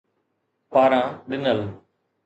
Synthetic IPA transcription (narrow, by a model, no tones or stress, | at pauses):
paːɾãːɗɪnəl